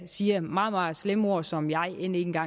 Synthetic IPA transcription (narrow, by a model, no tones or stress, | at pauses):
siːɐmɑ̈ːð̩ˠmɑ̈ːð̩ˠslemo̝ɐ̰sɒ̽mjɑ̈ɪʔene̝n̩ɡ̥ɑ̈